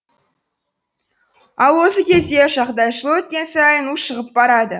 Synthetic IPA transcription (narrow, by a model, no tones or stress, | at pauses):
ɑlˠwo̞səkʲʰe̞zd̪eʒɑqd̪ɑjʃəlˠəwɵt̪̚kʲe̞nsɑjənuʃəʁəp̚bɑɾɑd̪ə